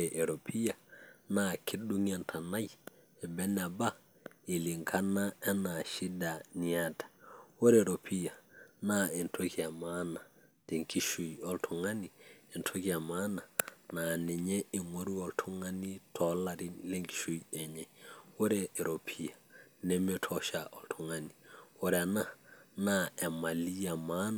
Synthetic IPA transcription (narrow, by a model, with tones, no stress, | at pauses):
e˨ʔe˨ɾo˨pʰi˦ja˨na˨kʰi˦ɗu˦ŋa˦ntʰa˨na˦j | ɛ˨bɛ˦na˨ba˦ | i˨li˨ŋkʰa˦na˦ɛ˦na˨ʃi˦da˨ni˨a˦tḁ˨wo˦ɾe˨ɾo˨pʰi˦ja˨na˦ɛ˨ntʰo˦ki˦a˨ma˦na˨ | d̥e˨ŋki˦ʃu˨jɔ˦ltʰɔ˨ŋa˦ni˨ɛ˨ntʰo˦ki˦a˨ma˦na˨na˨nɛ˨ɲɛ˦ɪ˨ŋo˦ɾi˦ɔ˨ltʰu˦ŋa˦ni˦tʰɔ˨la˦ɾi˦le˦ŋki̥˦ʃu˦jɛ˨ɲɛ˨wɔ˦ɾɛ˦ɛ˨ɾo˨pʰi˦ja˨ | nɛ˦mɛ˦tʰɔ˨ʃa˨ʔɔ˨ltʰɔ˨ŋa˦ni˨wɔ˦ɾɛ˨na˦na˦ɛ˨ma˨li˦ja˨ma˦n˨